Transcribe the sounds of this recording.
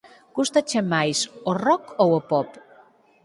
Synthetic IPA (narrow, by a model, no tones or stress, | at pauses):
kust̪at͡ʃemajsorɔkowopɔp